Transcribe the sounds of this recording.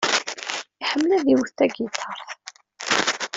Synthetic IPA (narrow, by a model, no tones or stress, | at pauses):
iħəmːlæðiwəθt̪ːæɡit̪ʰːɑɾˤθ